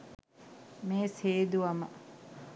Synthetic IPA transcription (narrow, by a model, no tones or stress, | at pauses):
meːseːd̪uʋɐmə